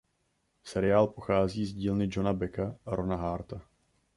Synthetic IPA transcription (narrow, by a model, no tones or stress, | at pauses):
sɛɾɪaːlpo̞xaːziːzɟiːlnɪd͡ʒonabɛkaaɾonaɦaːɾt̪a